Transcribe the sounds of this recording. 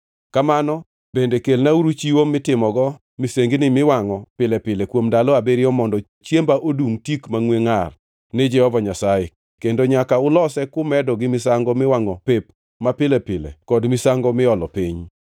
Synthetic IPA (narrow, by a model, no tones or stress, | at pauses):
kamanɔ | bendekelnauɾut͡ʃiwomɪtɪmɔɡɔ | miseŋɡinɪmɪwaŋɔpɪlɛpɪlekwomdalɔabeɾɪɔmɔndɔ | t͡ʃjembaʔoduŋtikmaŋweŋar | ned͡ʒɛhɔvaɲasajɛ | kendoɲakaʊlɔsɛkʊmɛdɔɡɪmɪsaŋɡɔmɪwaŋɔpep | mapɪlɛpɪlɛ̰kɔdmɪsaŋɡɔmɪɔlɔpiɲ